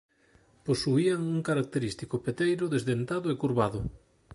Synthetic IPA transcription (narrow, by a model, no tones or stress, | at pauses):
posuiaŋuŋkaɾak̚t̪eɾist̪ikʊpet̪ejɾʊðezðent̪aðʊekuɾβaðʊ